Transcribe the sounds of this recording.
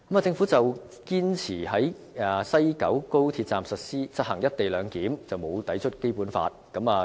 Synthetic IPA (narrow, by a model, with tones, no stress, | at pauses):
kɐ˦maː˨t͡sɪ˧ŋfu˨˥t͡sɐ˨w | kiː˥nt͡sʰiː˨˩hɐ˨˥j | aː˨sɐ˥jkɐ̰˨˥wko˥wt̪ʰiː˧t̚t͡saː˨msɐ˨t̚siː˥t͡sʰɐ˥t̚hɐ˨˩ŋjɐ˥t̚t̪e˨jlœː˨˧ŋkiː˨˥mt͡sɐ˨˩wmo˨˧wt̪ɐ˨˥jt͡ʃʰɵ˥t̚ke˥jpuː˨˥nfa̰ː˧t̚kɐ˨˥maː˨